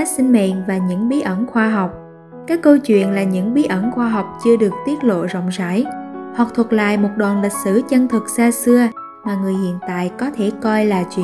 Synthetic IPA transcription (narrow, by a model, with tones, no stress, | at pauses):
a˦˥si˧ŋ̟mḛ˧˨nvaː˨˩ɲɨ̰˧˥ŋɓi˨˦ʔə˧˩nxwaː˧ɦa˨˩wk͡p̚ | kaː˦˥kːə˧wt͡ɕwḭ˧˨ənlaː˨˩ɲɨ̰˧˥ŋɓi˨˦ʔə˧˩nxwaː˧ɦa˨˩wk͡p̚t͡ɕɨ˧əɗɨ˨˩ək̚t̪i˦˥ət̚lo̰˧˨zɔ̰˧˨wŋ͡mza̰ː˧˥˩jhɔ˨˩k͡p̚t̪ʰə˨˩t̚la̰ː˧˨jmo˨˩t̚ɗwaː˨˩nlï˨˩k̟̚sɨ˧˥t͡ɕə˧ŋt̪ʰɨ˨˩k̚saː˧sɨ˧ə | maː˨˩ŋɨ˨˩əjhḭ˧˨ənt̪a̰ː˧˨jkɔ˨˦t̪ʰe˧˩kɔ˧jlaː˨˩t͡ɕwḭ˧˨